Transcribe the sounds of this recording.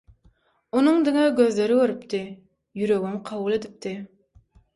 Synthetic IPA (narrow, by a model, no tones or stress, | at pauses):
unɨŋd̪ɪŋɑɡʲøzleɾɪkʲøɾɪpt̪ɪ | jyɾøɡʲymqʰɑwulˠed̪ɪp̚t̪ʰɪ